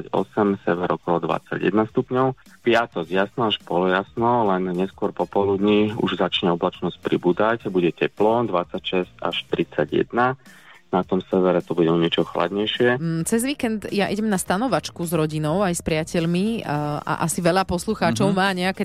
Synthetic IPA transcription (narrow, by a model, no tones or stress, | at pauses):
aɟɔ̰sɛmsɛʋɛɾɔkɔlɔd̪ʋa̰t͡sːa̰ɟjɛ̰d̪nast̪upɲɔʊ | pɪat̪ɔzjasnɔaʃpɔlɔjasnɔlɛnɲɛskʊɔɾpɔpɔlud̪ɲiṵʒzat͡ʃɲɛɔblat͡ʃnɔsc̚pɾḭbud̪acbuɟɛcɛplɔd̪ʋat͡sːacʃɛzca̰ʃt̪ɾit͡saɟjɛ̰d̪na | nat̪ɔmsɛʋɛɾɛt̪ɔbuɟɛɔɲɛt͡ʃɔxla̰d̪ɲɛjʃɪɛt͡sɛzʋiːkɛnd̪jaʔiɟɛmnast̪anɔʋat͡ʃkuzɾɔɟinɔʊajspɾɪacɛʎmiʔa̰ʔasiʋɛʎapɔsluxaːt͡ʃɔʊmaːɲɛakɛ